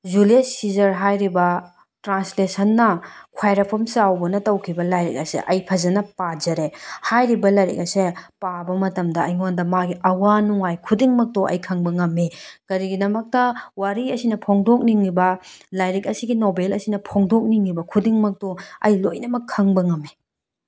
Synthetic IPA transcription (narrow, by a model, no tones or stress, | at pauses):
zuliesːizɐɾɦajɾibɐ | tɾanslesɐnːɐkʰwajɾɐpʰɐmsawbɐnɐtɐwkʰibɐlajɾḭk̚ɐsḛʔɐjpʰɐzɐnɐpad͡ʒɐɾehajɾibɐlɐjɾḭk̚ɐsepabɐmɐtɐmdɐɐ̰jŋondɐmaɡiʔɐwanuŋajkʰudiŋmɐk̚toʔɐ̰jkʰɐŋbɐŋɐmːikɐɾiɡidɐmɐk̚tɐwaɾiɐsinɐpʰoŋdok̚niŋibɐlajɾik̚ɐsiɡinobelɐsinɐpʰoŋdok̚niŋːibɐkʰudiŋmɐk̚toɐ̰jlojnɐmɐkʰːɐŋbɐŋɐmi